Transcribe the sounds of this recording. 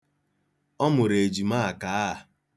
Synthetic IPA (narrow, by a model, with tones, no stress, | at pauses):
ɔ˦mʊ˨ɾe˨d͡ʒi˨ma˦a˨ka˨˦a˦a˨